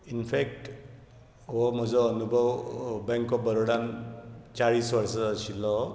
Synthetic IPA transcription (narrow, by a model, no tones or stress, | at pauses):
inpʰek̚t | ɔmɔzɔːnubawbɛŋkɔp̚bəɾɔɽant͡ʃaɹiswaɹsɔːsilɔ